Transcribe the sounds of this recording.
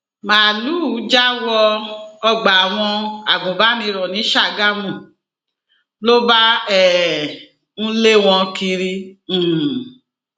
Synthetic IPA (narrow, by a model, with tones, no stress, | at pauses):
maː˨luː˦˨˦d͡ʒa˦wɔ˧ɔ˧ɡ͡ba˨a˨w̃ɔ̃˧a˨ɡũ˨ba˨˦nĩ˧˦ɾɔ˨nĩ˨˦ʃa˦˨ɡa˦mũ˦˨ | lo˦ba˦ɛ˦˨ | ñ̩˦le˦w̃ɔ̃˧ki˧ɾĩ˧˨